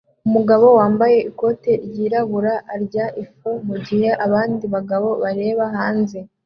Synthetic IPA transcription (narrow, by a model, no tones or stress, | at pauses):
umuɡaβo̞waːmbaje̞iko̞te̞ɾjiːɾaβuɾaʔːɾɟaʔifumuɟihe̞ʔaβaːndiβaɡaβo̞βaɾe̞ːβaɦaːnze